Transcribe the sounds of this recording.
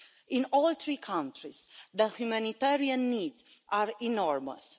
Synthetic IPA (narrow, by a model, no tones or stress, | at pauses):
ĩnɔlt̪ɾikʰãnt̪ɾisd̪əhjumãnit̪ɛɾiãnːiːd̪zʔaɾɛnɔɹmə̰s